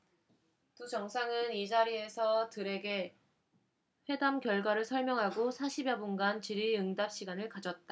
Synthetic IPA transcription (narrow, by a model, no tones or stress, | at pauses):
tut͡ɕʌŋsʰaŋɯnid͡ʑaɾie̞sʰʌtɯɾe̞ɡe̞ | ɸwe̞damkjʌɭɡwaɾɯɭsʰʌɭmjʌŋɦaɡosʰaɕʰibjʌbunɡant͡ɕiɾiɯŋdap̚ɕ͈iɡanɯɭkad͡ʑʌt̚t͈a